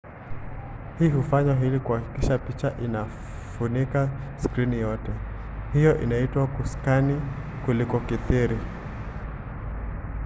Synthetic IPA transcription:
hiːhufaɲwaɦilikuhaki̥kiʃapit͡ʃaʔina | funikaskɾinijɔtɛ | hijɔʔḭnaitwakuskani | kulikɔkiθiɾi

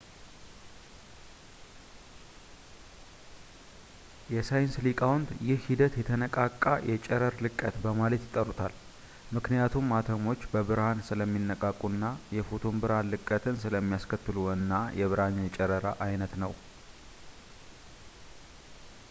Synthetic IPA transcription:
jɛsajɪnslikʼawnd̪jɪhhid̪ət̪jɛt̪ʰənəkʼakʼːa̰jʔɛt͡ʃʼɛɾəɾlɨkʼːət̪bəmalət̪jɪt̪ʼːərut̪ʰal | mɨknijat̪ʰumːat̪ʰəmo̞t͡ʃːbəβɨɾhansɨləmːinːəkʼakʼːunːajɛfo̞t̪ʰo̞mbɨɾhanlɨkʼːət̪ʰɨnsɨləmːijaskʰət̪ːɨluɨnːajɛβɨɾaɲːt͡ʃʼɛɾəɾa̰ʔajnət̪nəw

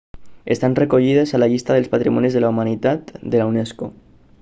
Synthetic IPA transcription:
est̪anrekoʎið̞esalaʎist̪aðelspat̪ɾimɔnizðelaumanit̪at̪d̪elawnesko

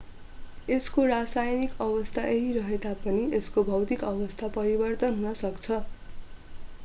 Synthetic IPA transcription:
eskorasajnikʌbʌst̪ʰaʔeɦiɾʌɦet̪apʌnieskobʱʌwt̪ikʌbʌst̪ʰapʌɾibʌrt̪ʌnɦunʌsʌkt͡sʰʌ

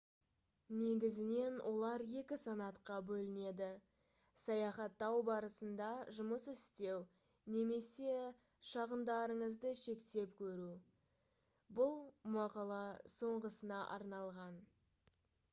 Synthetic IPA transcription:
ne̞ɡʲɪzɪne̞nwʔo̞lˠɑɾje̞kʲɪsɑnɑt̪qɑbɵlɪne̞d̪ɪ | sɑjɑχɑt̪ːɑwbɑɾəsənd̪ɑʒʊməsɪst̪e̞w | ne̞me̞se̞ | ʃɑʁənd̪ɑɾəɴəzd̪əʃe̞kt̪e̞pkʲʰɵɾu | bʊlˠmɑqɑlˠɑso̞ɴʁəsənɑʔɑ̰ɾnɑlˠʁɑn

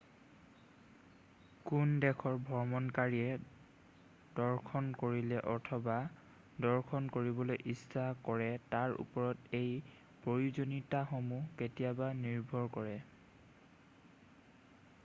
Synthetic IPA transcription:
kundɛkʰɔɹbʱɔɹmɔnkaɹiɛ | d̥ɔɹkʰɔnkoɹilɛʔɔtʰɔba | dɔɹkʰɔnkoɹibɔlojʔistʰakɔɹɛtaɹṵpɔɹɔtej | pɹojuzonitaxomuketijabaniɹbʱɔɹkɔɹɛ

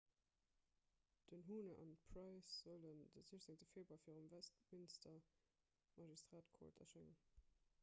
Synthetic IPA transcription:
d̥ənɦuːnəʔɑ̰ntpʰʁɑɪsz̥ələndəzuəʃzeŋt͡səfeːlbaːfiːʁəmvæstmɪnstɐ | mɑʒistʁaːtkʰɔ̰ɹtɐ̰ʃeŋən

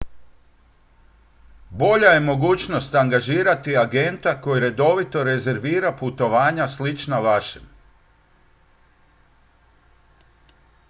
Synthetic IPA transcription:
bo̞ʎaje̞mo̞ɡuːt͡ʃnost̪aŋɡaʒiːɾat̪iaɡe̞nt̪ako̞jiɾe̞d̪o̞ʋit̪o̞ɾe̞ze̞ɾʋiːɾaput̪o̞ʋaːɲaslit͡ʃnaʋaʃem

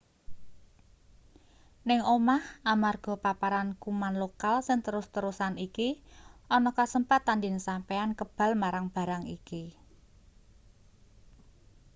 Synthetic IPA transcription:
nɪŋomahamarɡ̥ɔ̤papaɾankumanlokalsɪŋt̪əɾʊst̪əɾusanikiʔɔnɔkasəmpat̪andɪnsampeankəb̥ä̤lmaɾaŋb̥ä̤ɾaŋḭki

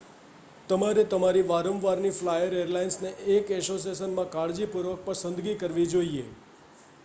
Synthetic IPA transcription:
t̪əmaɾet̪əmaɾiʋaɾə̃mʋaɾniflajəɾeɾlainsneʔekɛsos̬esənmãkaɽd͡ʒipuɾʋək̚pəɾsə̃nd̪ɡikəɾʋid͡ʒoiḛ

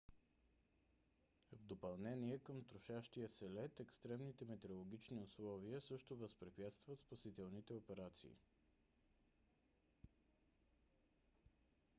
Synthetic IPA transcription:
vd̪opɐlˠnɛniɛkəmt̪ɾʊʃaʃt̪ijəsɛlɛt̪ɛkst̪ɾɛmnit̪ɛmɛt̪ɛɾolˠoɡ̟it͡ʃniʊslˠɔviəsɤʃt̪ovəspɾipjat̪st̪vət̪spɐsit̪ɛlˠnit̪ɛopɛɾat̪sḭː

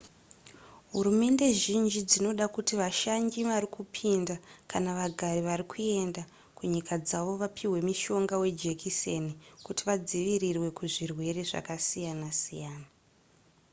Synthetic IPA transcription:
ɦuɾume̞nde̞ʒind͡ʒid͡zino̞ɗakutiʋaʃaɲɡiʋarikupʰindakanaʋaɡʱariʋaɾikʰue̞nda | kuɲikad͡zaʋo̞ʋapʰiwe̞miʃo̞ŋɡawe̞d͡ʒe̞kʰisenikutiʋad͡ziʋirirwe̞kuʐirwe̞re̞ʐa̰kasijanasijaːna

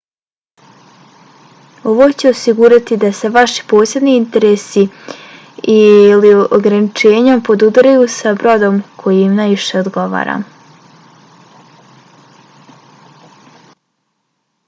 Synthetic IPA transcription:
o̞ʋo̞t͡ɕeosiɡuɾat̪id̪ase̞ʋaʃi̥po̞ːsje̞d̪niint̪e̞ɾe̞ːsi | ilioɡɾanit͡ʃe̞ːɲompo̞d̪ud̪ɾajusabɾo̞d̪o̞mkʰo̞jimnajʋiʃe̞od̪ɡo̞ʋa̰ːɾa̰m

